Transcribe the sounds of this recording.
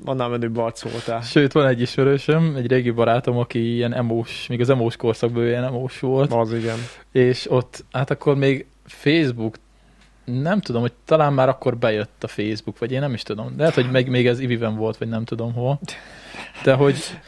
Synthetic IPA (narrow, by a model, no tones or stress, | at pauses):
ʋɒ̰nːaːmɛnybɒlt̪so̰ːlt̪ɛʃøːt̪ʋɒnɛɟːiʃmɛɾøːʃømɛɟɾeːɡibɒɾaːt̪o̞mɒkiijɛnɛmoːʃmiːɡɒzɛmoːʃko̞rsɒɡ̚bøjɛnɛmoːʃʋo̞lt̪ɒziɡɛneːʃo̞t̪ːhat̪ɒkʰːo̞rmeːɡ | feːzbuk | nɛmt̪ud̪o̞mhoc̚t̪ɒlaːnmaːɾɒkːo̞rbɛjøt̪ːɒfeːzbukʋɒɟeːnːɛmiʃt̪ud̪o̞mlɛɦɛt̪ho̞ɟmɛɡmeːɡɛzivivɛɱvo̞lt̪ʋɒɟnɛmt̪ud̪o̞mɦo̞l | d̪̥ɛɦo̞ɟ